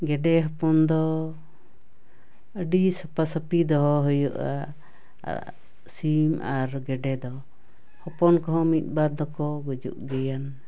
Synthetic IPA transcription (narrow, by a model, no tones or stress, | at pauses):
ɡɛɖɛɦɔpɔnd̪ɔ | əɖisəpasəpid̪ɔɦɔɦəjuʔa̰ | simaɾɡɛɖɛd̪ɔ | hɔpɔnkɔɦɔ̃mit̪̚ˀbad̪ːɔkɔɡud͡ʒṵʔɡɛjan